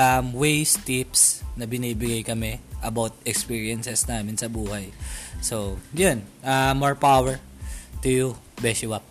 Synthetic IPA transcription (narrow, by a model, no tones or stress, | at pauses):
ʔɐmwejst̪ipsnɐbɪniːbɪɡajkɐmɛʔɐbawt̪̚ɛkspiːɹiɐnsɛsnaːmɪnsɐbuːhɐjsojonʔɐmːoɹpawɛɹ | t̪ʊjubɛsɪwap̚